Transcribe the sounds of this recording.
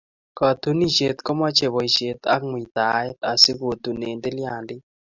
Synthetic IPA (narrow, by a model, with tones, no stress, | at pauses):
ka˨t̪u˦ni˦t͡ʃe˨t̪kɔ˦ma˦t͡ʃe˨βɔ˨i˨ʃe˨t̪a˦kmwi˨t̪a˨˦ɛ˦t̪a˨sɪ˦ɣo˨t̪u˨ne˨nde˦lja˨ndɪ˦